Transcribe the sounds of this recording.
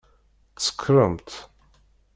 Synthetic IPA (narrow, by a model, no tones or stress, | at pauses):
t͡sːə̥kʰːɾˤəmt̪